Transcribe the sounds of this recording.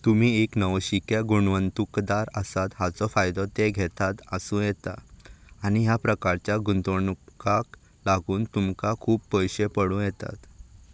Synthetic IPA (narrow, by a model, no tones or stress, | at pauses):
t̪um̤iːeknəʋɕikjaɡuɳʋənt̪ukd̪aɾəsat̪ɦat͡sɔfajd̪ɔt̪eɡʱɛt̪at̪əsũːjɛt̪a̰ː | ñiɦjapɾəkaɾt͡ɕjaɡunt̪oɳkak | laɡuːnt̪umkakʰuːbpəjɕepəɽũjɛt̪a̰t̪